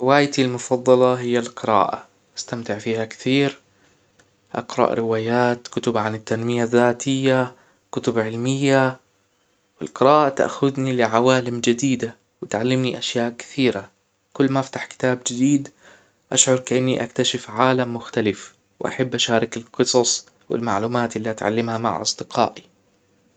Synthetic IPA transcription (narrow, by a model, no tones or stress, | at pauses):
ɾɪwaːjt̪ilmʊfɑðˤːɑlɑɦɪjːalqɨɾa̰ːʔa̰ | ʔast̪amt̪ɪʕfiːhakɪ̥θiːɾ | ʔɑ̰qɾˤɑ̰ʔɾɪwaːjaːt̪kʊt̪ʊbʕanɪt̪ːanmɪjaðːaːt̪ʰɪjːa | kʊt̪ʊbʕɪlmɪjːa | wɪ̰lqɨɾaːʔat̪ʔa̰xʊd̪nilɪʕawaːlɪmd͡ʒɪd̪iːd̪a | wɪt̪ʕalːɪmniʔaʃjaːʔkɪ̥θiːɾa | kʊlːmaaft̪aħkɪ̥t̪aːbd͡ʒɪd̪iːd̪ | ʔaʃʕʊɾˤkaʔɪnːiʔakt̪aʃɪfʕaːlamːʊxt̪alɪf | wʔa̰ħabːʔaʃaːɾˤɪkɪlqɨsˤɑsˤ | wɪ̰lma̰ʕluːmaːt̪ʔɪlːiʔat̪ʕa̰lːɪmhama̰ʕʔɑ̰sˤd̪ɪqʰɑ̰ːʔi